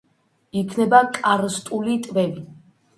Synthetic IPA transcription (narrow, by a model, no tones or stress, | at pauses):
ikʰnɛbakʼaɾst̪ʼulit̪ʼvɛvi